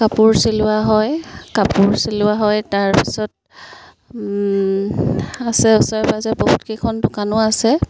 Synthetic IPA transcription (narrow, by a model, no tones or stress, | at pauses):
kapʊɹsilʊaɦɔjkapʊɹsilʊaɦɔjtaɹpi̥sɔt̚ | asɛɔsɔɹɛpazɛboɦutkʰekʰɔndʊkanʊasɛ